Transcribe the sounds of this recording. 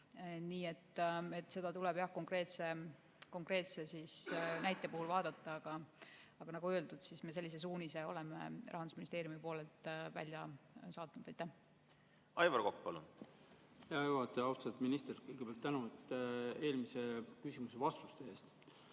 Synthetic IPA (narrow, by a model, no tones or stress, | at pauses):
niːe̞t̪ːe̞t̪ːˑse̞d̪ɑt̪ulɛb̥jɑhko̞ŋkre̞ːt̪se̞ | ko̞ŋkre̞ːt̪se̞sisnæjt̪ˑːe̞puhulvɑːd̪ɑt̪ˑːɑɑɡ̥ɑɑɡ̥ɑnɑɡ̥uøe̞ld̪ud̪̥sisme̞s̬e̞lʲːises̬uːnise̞o̞̰lemḛrɑ̰ɦɑnd̪usminist̪eːɾjumipo̞ːlelt̪væ̰lʲjɑsɑːt̪ːˑunud̪̥ɑajt̪ːæh | ɑjvɑrkokpɑlṵn | ɑjuɑt̪ːˑeɑwst̪ɑt̪minist̪eɾkɤjɡ̥epeɑlt̪ːænut̪ːe̞ːlmisekysimuse̞vɑst̪ust̪eeːst̪